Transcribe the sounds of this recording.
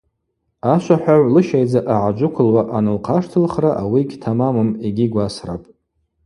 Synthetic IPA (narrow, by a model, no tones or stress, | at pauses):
aʃʷaħʷᶣaʕʷlɨʃajd͡zaʔaʕad͡ʒʷʊkʷʰʊlwaʔanɨlqʰaʂtʰɨlχraʔawiɡʲtʰamamɨmeɡʲiɡʷasra̰pʼ